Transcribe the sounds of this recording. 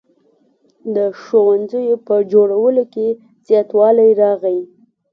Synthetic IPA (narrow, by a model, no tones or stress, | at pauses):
d̪əʃowanzəjopəd͡ʒoɽawəloke | z̥jɑt̪wɑlajɾɑɣai